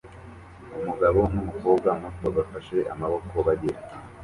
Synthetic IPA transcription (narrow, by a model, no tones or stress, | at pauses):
umuɡaβo̞n̥umuko̞ːbɡamutbaɡafaʃe̞ʔa̰maβo̞ko̞βaɟeɾ